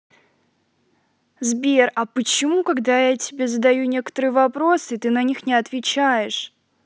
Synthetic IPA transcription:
zbʲerɐpət͡ɕɪmukɐɡd̪ajatʲɪbʲe̞zəd̪ɐjunʲe̞kə̥t̪əɾɨjvɐpɾosɨt̪ɨnɐnʲixnʲɪɐt̪vʲɪt͡ɕæjɪʂ

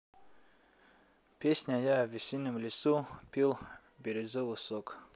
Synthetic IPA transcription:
pʲesʲnʲajavʲisʲinːɨmlʲɪsupʲilˠ | bʲeɾʲɪzovɨsok

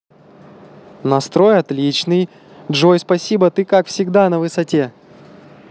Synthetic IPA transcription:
nɐst̪ɾo̞jɐt̪lʲit͡ɕnɨj | dʐojspɐsʲibət̪ɨkakfsʲɪɡd̪anəvɨsɐtʲe

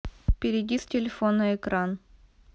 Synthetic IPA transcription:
fpʲɪɾʲɪdʲistʲɪlʲɪfonəɪkɾan

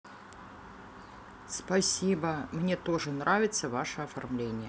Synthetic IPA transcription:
spɐsʲibəmnʲe̞t̪o̞ʐɨnɾavʲɪt̪səvaʂəɐfɐrmlʲenʲɪjə

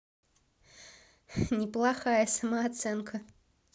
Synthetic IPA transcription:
nʲɪplˠaxajɐsɐmɐːt̪sɛnkʰə

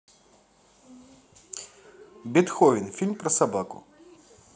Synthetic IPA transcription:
bʲit̪xɔvʲinfʲilʲmpɾɐsabakʊ̰

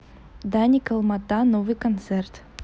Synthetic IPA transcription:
d̪anʲikəlˠmɐt̪anovɨjkɐnt̪sɛrt̪

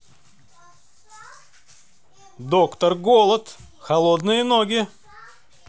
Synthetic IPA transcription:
d̪okt̪ərɡolˠət̪ | xɐlˠod̪nɨjənoɡʲɪ

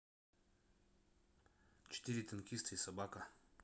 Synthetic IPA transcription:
t͡ʃɪ̥t̪ʲiɾʲɪt̪ɐnkʲist̪ɨisɐbakə

